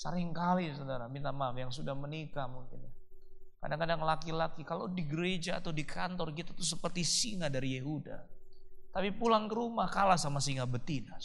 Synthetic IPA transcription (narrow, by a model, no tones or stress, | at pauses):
sə̰ɾɪŋkalisodaɾamint̪amafjaŋsudahmənikamuŋkɪnja | ka̰daŋkadaŋlakilakikalodiɡəɾed͡ʒa̰ːt̪awdikʰant̪ɔrkit̪at̪us̬əpərt̪isiŋadaɾijeɦuda̰t̪apipulaŋkəɾumakalasamasiŋabət̪ina